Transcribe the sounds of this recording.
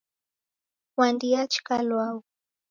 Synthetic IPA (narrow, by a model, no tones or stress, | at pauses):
wand̪iat͡ʃkalwaw